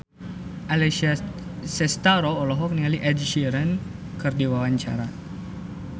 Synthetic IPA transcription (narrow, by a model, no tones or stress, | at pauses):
ʔalɛ | sɛst̪aɾɔːlɔɦɔk̚niŋaliʔɛdʃiɾən | kɨrdiwawaɲt͡ʃa̰ɾa